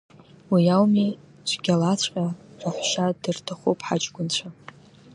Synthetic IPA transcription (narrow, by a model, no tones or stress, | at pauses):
wijawmi | t͡ʃʷʰɡʲalat͡ɕʷʼqʲʼaraħʷʃadɨrtʰaχopʰʼħat͡ʃʼɡʷʊnt͡ɕʷʰa